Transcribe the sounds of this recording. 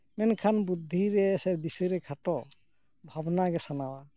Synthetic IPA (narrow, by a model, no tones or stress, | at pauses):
mɛnkʰanbud̪ʱːiɾɛsɛbisɯɾɛkʰaʈɔ | bʱabnaɡɛsanawa